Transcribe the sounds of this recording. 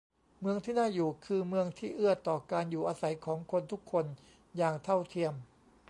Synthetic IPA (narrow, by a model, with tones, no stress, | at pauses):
mɯ˧əŋt̪ʰiː˥˩naː˥˩juː˨˩kʰɯː˧mɯ˧əŋt̪ʰiː˥˩ʔɯ˥˩ɐət̪ːɔː˨˩kaː˧njuː˨˩ʔaː˧sa˩˦jkʰɔː˩˦ŋkʰo˧nt̪ʰu˦˥kʰːo˧n | jaː˨˩ŋt̪ʰa˥˩wt̪ʰi˧əm